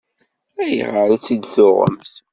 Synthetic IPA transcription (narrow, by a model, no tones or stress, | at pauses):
æjə̰ʁəɾæt͡sːid̪θʊʁə̰mθ